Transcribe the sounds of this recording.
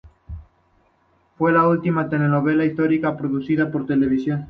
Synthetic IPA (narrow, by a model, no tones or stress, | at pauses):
fwe̞lault̪imat̪enenoβe̞laist̪o̞ɾikapɾoðusiðapo̞ɾt̪e̞le̞β̞isjon